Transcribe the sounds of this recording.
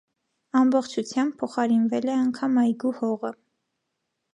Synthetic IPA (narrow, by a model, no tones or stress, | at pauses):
ɑmbɔχt͡ʃʰut͡sʰjɑmb̚pʰːɔχɑɾinvɛlɛɑŋkʰɑmɑjɡuhɔʁə